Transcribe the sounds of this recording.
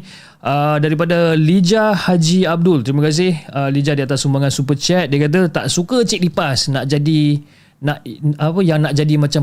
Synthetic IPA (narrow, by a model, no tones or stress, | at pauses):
ʔədaɾipadalid͡ʒahad͡ʒiab̚dʊlt̪əɾiməkas̬ɪhəlid͡ʒadiat̪asumbaŋansupət͡ʃɛt̪̚diakat̪̬ət̪a̰ʔsukət͡ʃiʔ̚dipasnaʔd͡ʒadi | naʔapəjaŋnaʔd͡ʒadimãt͡ʃa